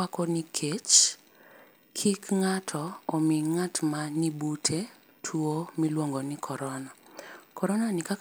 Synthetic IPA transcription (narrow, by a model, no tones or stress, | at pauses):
akɔnikʰet͡ʃ | kʰikŋatʰɔːmiŋatmanibutʰe | tʰuomilwoŋɡonikʰɔɾɔnakɔɾɔnanikak